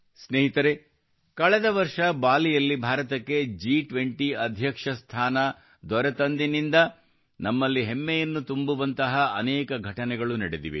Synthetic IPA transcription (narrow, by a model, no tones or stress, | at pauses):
sneːɦit̪ɐɾe | kɐɭɛd̪ɐʋɐɾʂɐbaːlijɐlːibʱaːɾɐt̪ɐkːe̞d͡ʒiːʈʋeɳʈiɐd̪ʱjɐkʂɐst̪ʰaːnɐ | d̪ɔɾɛt̪ɐnd̪inind̪ɐ | nɐmːɐlːiɦemːejɐnːut̪umbuʋɐnt̪ɐɦɐɐnɛːkɐɡʱɐʈɐnɛɡɐɭunɐɽed̪ḭʋḭ